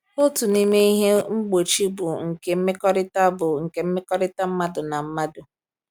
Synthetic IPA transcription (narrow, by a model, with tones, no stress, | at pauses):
o˦tu˨ni˦me˦i˦ɦe˦ŋ͡m̩˦ɡ͡bo˨t͡ʃi˦bʊ˨ŋ̩˨ke˨m̩˦me˦kɔ˦ɾɪ˦ta˦bʊ˨ŋ̩˨ke˨m̩˦me˦kɔ˦ɾɪ˦ta˦m̩˦ma˦dʊ˨na˨m̩˦ma˦dʊ˨